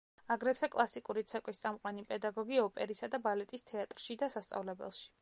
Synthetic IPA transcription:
aɡɾɛt̪ʰwɛkʼlˠasikʼuɾit̪sʰɛkʼwist̪sʼamqʼwanipʼɛd̪aɡɔɡiɔpʼɛɾisad̪abalɛt̪ʼist̪ʰɛat̪ʼɾʃid̪asast̪sʼa̰vlɛbɛ̰lˠʃi̥

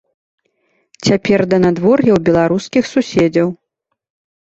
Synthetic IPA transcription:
t͡sʲapʲɛrd̪ɐnad̪vɔrjɛwbʲɛlˠaɾuskʲixsusʲɛd͡zʲɐw

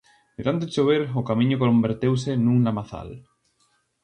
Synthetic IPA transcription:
eðant̪et͡ʃoβeɾʊkamĩɲʊkombeɾt̪ewsenũŋlamaθa̰l

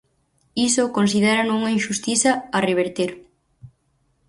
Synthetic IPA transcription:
isokons̬ið̞eɾanouŋainʃust̪iθɐːreβ̞eɾt̪eɾ

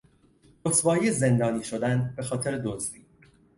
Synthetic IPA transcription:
osbɒːieze̞nd̪ɒːniːʃo̞d̪ænbe̞xɒːt̪ʰe̞ɾed̪ozdiː

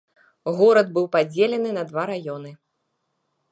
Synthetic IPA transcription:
ɣɔɾɐd̪̚bɨwpad͡zʲelʲɛnɨnɐd̪vaɾajɔnɨ

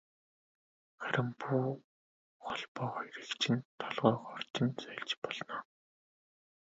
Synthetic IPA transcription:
χæɾʲɪ̆mpʰuː | χɔɮpɔːχiɾɘ̆kt͡ɕʰɪ̆nt̪ʰɔɮʁœːχɔr̥t͡ɕĭnt͡sœɮt͡ɕpɔɮnɔː

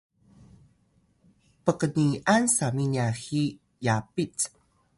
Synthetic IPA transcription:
pəkəniʔansaminiaxi | japit͡s

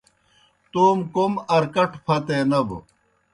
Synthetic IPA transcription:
t̪uːmkomɐɾkɐʈʰpʰɐt̪enɐb̰

